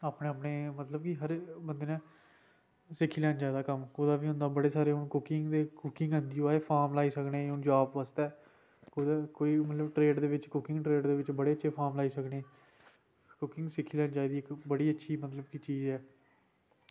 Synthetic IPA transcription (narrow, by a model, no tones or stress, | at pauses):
aːpnẽːaːpneːmət̪ləbkiɦəɾbənd̪eːnãː | sɪkʰːiːlɛːnd͡ʒaːd̪aːkəmoːd̪aːʋiːʊ̃nd̪aːbəɽeːsaːɾeːʊnkʊkɪŋɡd̪eːkʊkɪ̃ŋɡɦə̃nd̪iːoːaːeːpʰaːɾmlaːiːsəkneːʊnd͡ʒaːbʋaːst̪ɛː | kod̪akoːiːmət̪ləbʈɾeːɖd̪eːʋɪt͡ʃkʊkɪ̃ŋɡʈɾeːɖd̪eːʋɪt͡ʃbəɽeːətːʃʰeːpʰaːɾmlaːiːsəknẽː | kʊkɪ̃ŋɡsɪkʰːiːlɛːnd͡ʒaːed̪iːɪkbəɽiːətːʃʰiːmət̪ləbkit͡ʃiːzɛː